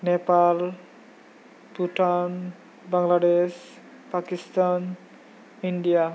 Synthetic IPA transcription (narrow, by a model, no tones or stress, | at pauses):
nepal | puʈan | baŋlaɖes | pakist̪an | iɳɖija